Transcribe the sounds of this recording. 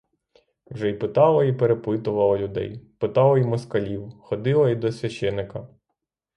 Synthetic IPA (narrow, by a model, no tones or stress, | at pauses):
wʒɛipɪt̪ɑlˠɐipeɾepɪt̪ʊʋɐlˠɐlʲʊd̪ɛ̰jpɪt̪ɑlˠɐimɔskɐlʲiwxɔd̪ɪlˠɐid̪ɔsʲʋʲɐʃt͡ʃɛnːɪkɐ